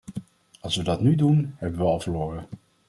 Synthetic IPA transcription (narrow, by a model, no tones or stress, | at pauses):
ɑlˠsʋədɑtnydunhɛbəʋəɑlˠvəloːɾə